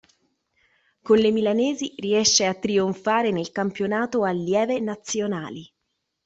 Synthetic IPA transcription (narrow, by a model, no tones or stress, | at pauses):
konlemilanɛːziriɛʃːeat̪ːɾioɱfaːɾenelkampjonaːt̪oalːjɛːvenat̪sːjona̰ːli